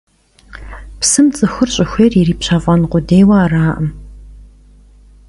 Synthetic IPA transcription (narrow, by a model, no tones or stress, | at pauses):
psɨmt͡sʼɨxɨrɕʼɪxʷeːririːpɕavʷʼɐnqʷʊdeːjwɐaraːʔɐm